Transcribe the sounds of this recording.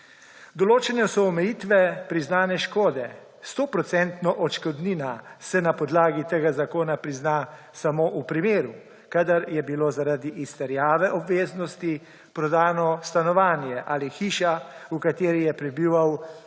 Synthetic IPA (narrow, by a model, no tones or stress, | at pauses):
d̪ɔloːt͡ʃɛnɛsɔɔmɛjiːt̪ʋɛpɾiznaːnɛʃkoːd̪ɛ | st̪oːpɾɔt̪sɛnt̪nɔʔɔt͡ʃkɔd̪niːnasɛnapɔd̪laːɡit̪eːɡazakoːnapɾizna | samoːʔupɾimeːɾu | kad̪aɾjɛbilozaɾad̪iʔist̪ɛɾjaːʋɛʔɔbʋeːznɔst̪i | pɾɔd̪aːnɔst̪anɔʋaːnjɛʔaːlixiːʃaukat̪eːɾijɛpɾɛbiːʋaw